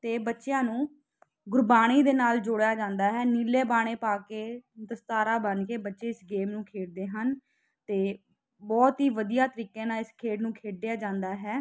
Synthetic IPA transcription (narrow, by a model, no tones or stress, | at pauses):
t̪eːbətːʃjãːnũː | ɡʊɾbaːɽ̃iːd̪eːnaːld͡ʒʊɽjaːd͡ʒãːnd̪aːɦɛːniːleːbaːɽ̃eːpaːkeːd̪əst̪aːɾaːbənkeːbətːʃeːɪsɡeːmnũːkʰeːɽd̪eːɦən | t̪eː | bɔːt̪ɦiːʋəd̪ijaːt̪əɾiːkẽːnaːɪskʰeːɽnũːkʰeːɖejaːd͡ʒãːnd̪aːɦɛː